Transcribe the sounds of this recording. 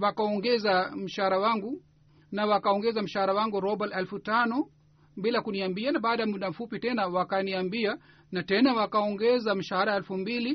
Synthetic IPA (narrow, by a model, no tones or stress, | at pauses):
wakaɔŋɡɛzam̩ʃahaɾawaŋɡu | nawakaɔŋɡɛzam̩ʃahaɾawaŋɡuɾɔbɛlɛlfutanɔ | bilakuniambianaɓaːɗajamuɗam̩fupitɛnawakaniambia | natɛnawakaɔŋɡɛzam̩ʃahaɾaɛlfumbili